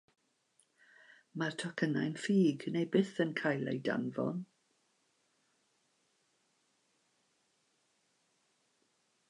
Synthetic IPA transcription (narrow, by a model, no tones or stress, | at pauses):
martʰɔkʰəna̰jnfiːɡnejbɪθənkʰajlˠḛjda̰nvɔ̰n